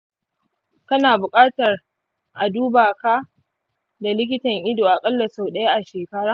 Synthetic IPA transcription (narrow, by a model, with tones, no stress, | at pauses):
kɐ˦naː˨bʊ˨kʼaː˦tɐ˨r | ʔa˨duː˦baː˨ka˦ | da˨lɪ˦k̬ʲɪ˦tɐ˨ŋʔɪ˦doː˨ʔa˨kʼɐ˦lːɐ˨sa˨wɗɐ˦ja˦ʔa˨ʃeː˨kɐ˦ɽaː˦